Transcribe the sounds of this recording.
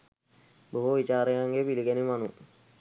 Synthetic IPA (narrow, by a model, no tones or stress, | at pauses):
boɦuʋit͡ɕaːɾejaŋɡepiliɡɛnimanu